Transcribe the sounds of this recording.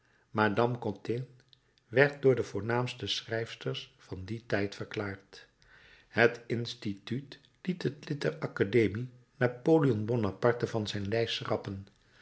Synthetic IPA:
maːdɑmkɔ̃tɪn | ʋɛɹt̚dʊːɹdəvʊːɹnaːmstəsrɛjfstəɹsfɑnditɛjtfəɹklaːɹt | hətɪnstityt | litətlɪtdərɑkadejmi | naːpoliɔnbɔnapɑɹtəvɑnzɛjnlɛjsrɑpən

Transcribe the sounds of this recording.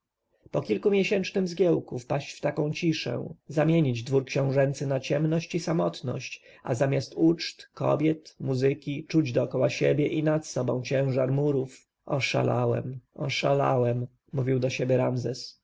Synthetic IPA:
pɔkʲilkumʲjɛɕɛnt͡ʂnɘmzɡʲjɛwkufpaɕt͡ɕft̪akɔ̃w̃t͡ɕiʂɛ̰̃zamʲjeɲid͡ʑd̪vuɾkɕɔ̃w̃ʐɛnt̪sɘnat͡ɕɛmnɔɕt͡ɕisamɔt̪nɔ̰ɕt͡ɕ | a̰zamʲjast̪ut͡ʂt̪kɔ̰bʲjɛt̪muzɘkʲit͡ʂud͡ʑd̪ɔːkɔwaɕɛbʲjɛʔinat̪sɔbɔ̰̃w̃t͡ɕɛ̃w̃ʐaɾmuɾuf | ʔɔʂa̰la̰wɛ̰mɔʂala̰wɛmː | uvʲiwd̪ɔɕebʲjɛɾamzɛs

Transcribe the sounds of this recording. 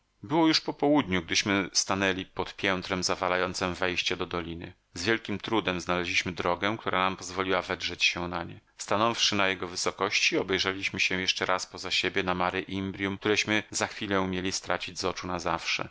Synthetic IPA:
bɘwɔjuʂpɔpɔwud̪ɲuɡ̚d̪ɘɕmɘst̪anɛlʲipɔt̪pʲjɛnt̪ɾɛmzavalajɔnt̪sɛmvɛjɕt͡ɕɛd̪ɔd̪ɔlʲinɘ̰ | zvʲjɛlkʲimt̪ɾud̪ɛmznalɛʑlʲiɕmɘd̪ɾɔɡɛ̃k̚t̪uɾʔanampɔzvɔlʲiwavɛdʐɛt͡ɕɕɛw̃naɲɛ̰ | st̪anɔfʂɘnajɛɡɔvɘsɔkɔɕt͡ɕiɔbɛjʐɛlʲiɕmɘɕɛ̃w̃jɛʂt͡ʂɛɾʔaspɔzaɕebʲjɛnamaɾɘʔimbɾʲjumk̚t̪uɾɛɕmɘzaxfʲilɛumʲjelʲist̪ɾat͡ɕid͡ʑzɔt͡ʂunazafʂɛ̰

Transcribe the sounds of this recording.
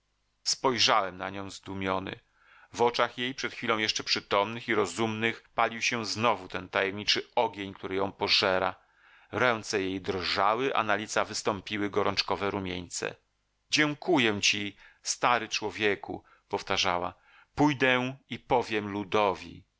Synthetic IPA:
spɔjʐawɛmna̰ɲɔ̃w̃zd̪umʲjɔnɘ̰ | vɔt͡ʂaxjejpʂɛt̪xfʲilɔ̃w̃jɛʂt͡ʂɛpʂɘt̪ɔmnɘxiɾɔzumnɘxpalʲiwɕɛznɔvut̪ɛnt̪ajɛmɲit͡ʂɘɔɡʲjeɲkt̪uɾɘjɔ̃w̃pɔʐɛɾa̰ | ɾɛnt̪sɛjejd̪ɾʐawɘʔa̰nalʲit̪savɘst̪ɔmpʲiwɘɡɔɾʔɔnt͡ʂkɔvɛɾumʲjeɲt̪sɛ̰ | d͡ʑɛŋkujɛ̃t͡ɕist̪aɾɘt͡ʂwɔvʲjɛkṵ | pɔft̪aʐawa̰ | pujd̪ɛipɔvʲjɛmlud̪ɔvʲḭ

